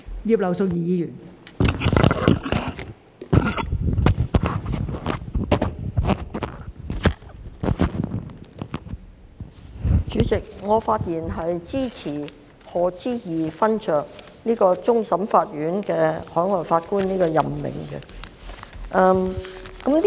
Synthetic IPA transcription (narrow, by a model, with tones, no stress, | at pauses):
jiː˧p̚lɐ˨˩wso˧wjiː˨˧jiː˨˥jyː˨˩n | t͡ʃyː˨˥t͡sɪ˨k̚ŋɔː˨˧faː˧t̚jiː˨˩nɦɐ˨jt͡siː˥t͡sʰiː˨˩ | hɔː˨t͡siː˥jiː˨fɐ˥nt͡ʃœː˨˩k̚ | niː˥kɔː˧t͡sʊ˥ŋsɐ˨˥mfaː˧t̚jyː˨˥nkɛː˧hɔː˨˥ŋɔː˨˩jfaː˧t̚kuː˥nniː˥kɔː˧jɐ˨mːɪ̰˨˩ŋkɛ̰˧ | ʔɐː˧mkɐ˨˥m